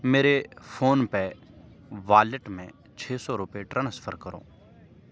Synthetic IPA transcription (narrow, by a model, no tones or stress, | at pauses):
meːɾefʰoːnpɛː | ʋaːləʈmɛ̰̃ | t͡ʃʰeːsɔːɾʊpeʈɾənsə̥pʰəɾkəɾo̰ː